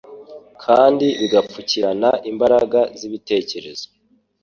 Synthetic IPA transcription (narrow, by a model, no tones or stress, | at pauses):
kʰaːndiβiɡap͡fuciɾanaʔimbaɾaɡaziβite̞ːce̞ɾe̞z̥o